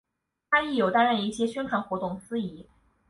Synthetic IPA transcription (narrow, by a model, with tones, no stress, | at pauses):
a˥ni˥˩jo˨˩t̪a˥nɻə˥˧˩ni˥˩ɕjɛ˥ɕɥɛ˥nʈ͡ʂʰwa˧˥nxwɔ˧˥t̪ʊ˥˩ŋsɹ̩˥i˧˥